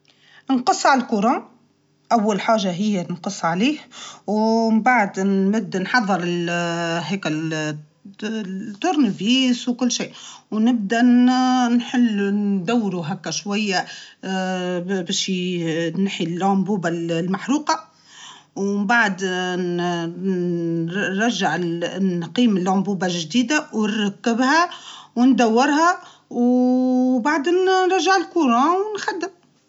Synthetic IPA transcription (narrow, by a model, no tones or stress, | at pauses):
nqɑsˤːʕalkuɾˤɑːn | ʔæwːælħaːʒaɦɪjːænqəsˤːʕliːhwmbaʕad̪ːɪb̚d̪ænħɑðˤːəɾɪlɦɛːkæ | t̪ːʊɾnviːswkʊlːʃiːwnɪb̚d̪ænnħɪlːnd̪æwːɾuɦækːæʃwæjːa | bæːʃinħilʕʊmbuːballmaħɾuːqɑ | wmbaʕad̪ | ɾˤɑʒːaʕ | qiːmɪlʕʊmbuːbaʒd̪iːd̪awnɾˤɑkːɪbhæwnd̪æwːɪɾhæ | w | baʕd̪nɾˤɑʒːaʕɪlkuːɾˤɑwnxæd̪ːɪm